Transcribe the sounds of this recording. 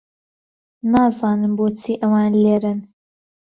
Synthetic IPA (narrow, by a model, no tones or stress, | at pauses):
naːzɑːnɨmboːt͡sʰiːʔɐwɑːnleːɾɨn